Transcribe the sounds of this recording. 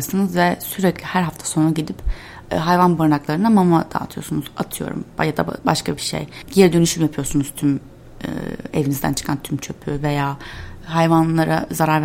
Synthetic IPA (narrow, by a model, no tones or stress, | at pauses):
sɯnɯzvɛsyɾɛclʲihæɾɦaft̪ʰḁsonaɟid̪ipː | ɦajvanbuɾnaklˠaɾɯnamamad̪̥a̰ːt̪ʰɯjo̞̰ɾsunuza̰t̪ʰɯjo̞̰ɾṵmbajad̪a̰baʃkabiʃḛjjeɾd̪ønyʃymjapʰɯjo̞ɾsunuz̥t̪ʰym | ɯ̰e̞vinizd̪æ̰nt͡ʃʰɯ̥kʰant̪ʰymt͡ʃʰø̞pʰyve̞jaːɦajvanlˠaɾazaɾaɾv